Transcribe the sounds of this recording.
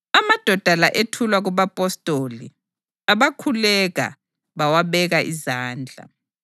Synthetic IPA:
amad̥ʱɔd̥ʱalaʔetʰulwaɣuβapʼɔstʼoli | aβakʰulɛɣa̰ | βawaβɛɣaʔizaːnd͡ɮʱa̰

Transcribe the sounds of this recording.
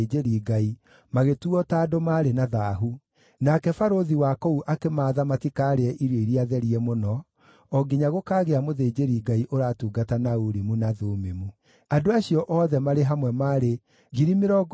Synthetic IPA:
ed͡ʒeɾiɡai | maɣetuɔtaːdomaːɾenaðaːɦu | nakɛfaɾoðiwakɔuʔakemaːðamatikaɾeɛʔiɾweiɾiaðɛɾiɛmonɔ | ɔɡiɲaɣokaːɣeamoðeːd͡ʒeɾiːɡaiʔoɾaːtuːɡatanauɾimunaðoːmemu | adoaɕiɔʔɔːðɛmaɾeɦamwɛmaːɾe | ɣiɾimeɾɔɡ

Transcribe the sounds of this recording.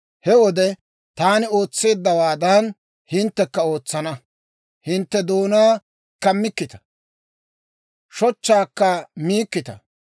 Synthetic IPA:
hɛwɔd̪ɛ | t̪aːnɪo̞ːt͡sːe̞ːd̪ːɐwaːd̪ɐn | hɪnt̪ːɛkːɐo̞ːt͡sːɐnɐ | hɪnt̪ːɛd̪oːnaː | kɐmːɪkːɪt̪ɐ̥ | ʃɔt͡ʃːaːkːɐmiːkːɪt̪ɐ̰

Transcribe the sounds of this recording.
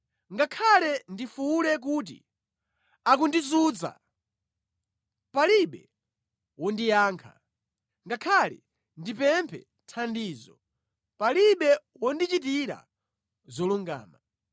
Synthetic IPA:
ŋɡakʰalɛndifulɛk̬uːt̬ḭ | ak̬undizuːd͡za̰ | paliɓɛ | wɔndijaːŋkʰa̰ | ŋɡakʰalɛ̰ | ndipɛmpʰɛ̰ | tʰandiːzɔ | paliɓɛ | wɔndit͡ʃit̬iɾa̰ | zɔluŋɡa̰ːma

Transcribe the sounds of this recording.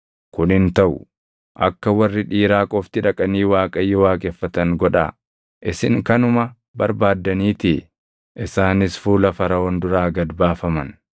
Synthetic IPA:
kʊnhɪnt̪ɐʔʊ̰ | ʔɐ̰kːɐwɐrːɪᶑiːɾaːkʼɔft̪ɪᶑɐkʼɐniːwaːkʼɐjːɪwaːkʼɛfːɐt̪ɐŋɡɔᶑɐ̰ | ʔɪsɪŋkɐnʊmɐ | bɐɾbaːd̪ːɐniːt̪ɪ | ʔɪsaːnɪsfuːlɐfɐɾɐɔnd̪ʊɾaːɡɐd̪baːfɐmɐn

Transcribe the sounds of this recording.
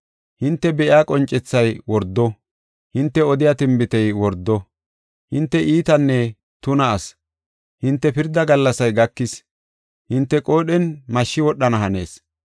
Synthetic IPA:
hɪnt̪ːɛbɛʔɪaːkʼɔnt͡ʃʼːɛt͡sːɐjwɔɾd̪ːɔ | hɪnt̪ːɛɔd̪ɪjat̪ɪmbɪt̪ɛjwɔɾd̪ːɔ | hɪnt̪ːɛʔiːt̪ɐnːɛ | t̪ʊnɐːs | hɪnt̪ːɛpɪɾd̪ːɐɡɐlːɐsɐjɡɐkːɪs | hɪnt̪ːɛkʼo̞ːɗɛnmɐʃːɪwɔɗːɐnɐɦɐne̞ːs

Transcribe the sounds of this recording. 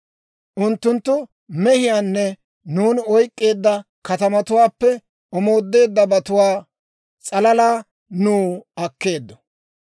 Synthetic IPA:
ʔʊnt̪ːʊnt̪ːʊ | mɛhɪjaːnːɛ | nuːnɔjkʼːe̞ːd̪ːɐ | kɐt̪ɐmɐt̪ʊwaːpːɛ | ɔmo̞ːd̪ːe̞ːd̪ːɐbɐt̪ʊwaː | t͡sʼɐlɐlaː | nuːɐkːe̞ːd̪ːɔ̥

